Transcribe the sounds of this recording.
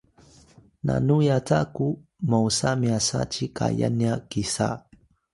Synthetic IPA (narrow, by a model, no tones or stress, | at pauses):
nanujat͡sakumawsamiasat͡ɕikaja̰njakisa̰